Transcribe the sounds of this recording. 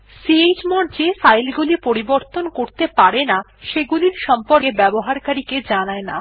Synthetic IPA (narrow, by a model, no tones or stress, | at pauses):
sied͡ʑmɔɾd͡ʑefajlɡulipoɾiboɾt̪onkoɾt̪epaɾenaʃeɡuliɾʃɔmpoɾkebɛboɦaɾkaɾiked͡ʑanaena̰